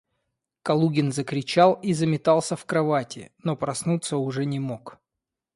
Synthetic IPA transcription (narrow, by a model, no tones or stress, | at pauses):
kɐlˠuɡʲɪnzəkɾʲɪt͡ɕalˠizəmʲɪt̪ɑlˠsʲəfkɾɐvatʲɪ̰no̞pɾɐsnut̪səʊʐɛnʲɪmok